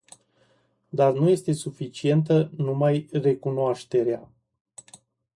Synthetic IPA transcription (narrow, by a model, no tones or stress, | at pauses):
d̪arnuje̞st̪e̞sufit͡ʃie̞nt̪̬ənumajre̞kunoaʃt̪e̞ɾea